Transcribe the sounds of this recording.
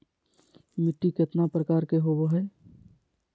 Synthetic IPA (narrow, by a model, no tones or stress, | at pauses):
mɪʈːikɪt̪napɾəkaːɾkeɦoboɦɛː